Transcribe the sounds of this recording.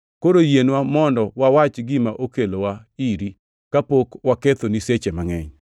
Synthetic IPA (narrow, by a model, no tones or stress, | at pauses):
koɾojenwamɔndɔwawat͡ʃɡɪmaʔokelowaiɾi | kapokwaket̪oniset͡ʃemaŋɛɲ